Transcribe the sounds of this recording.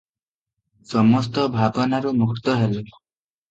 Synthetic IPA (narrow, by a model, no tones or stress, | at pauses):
sɔmɔst̪ɔbʱabɔnaɾumukʰt̪ɔɦele